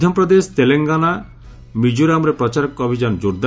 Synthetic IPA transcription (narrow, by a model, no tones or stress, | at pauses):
d̪ʱjɔmpɾɔd̪est̪eleŋɡana | mid͡ʒuɾamɾepɾɔt͡ʃaɾɔkːɔbʱid͡ʒand͡ʒuɾd̪a